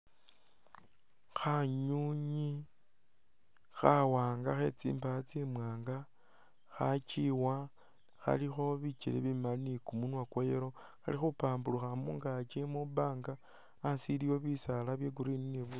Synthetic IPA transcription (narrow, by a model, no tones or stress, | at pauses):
xaɲuɲi | xawaːŋɡaxe̞̰t͡sḭːmbat͡simwaːŋɡa | xat͡ʃiwa | xa̰lixo̞βit͡ʃilḛβimanikumunwakwojeɾo̞ | xalixupaːmbuluxamṵːŋɡat͡ʃemuβaːŋɡaː | siliwo̞βisalaβjeɡuɾinineβu